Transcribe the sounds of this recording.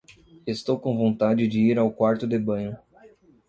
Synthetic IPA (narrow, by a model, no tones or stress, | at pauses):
est̪owkõw̃võnt̪ad͡ʒɪd͡ʒɪiɾawkwaɾt̪ʊd̪ɪbɐ̃ɲʊ